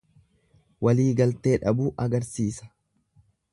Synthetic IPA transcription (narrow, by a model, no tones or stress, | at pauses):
wɐliːɡɐlt̪e̞ːᶑɐbuːʔɐɡɐɾsiːsɐ̥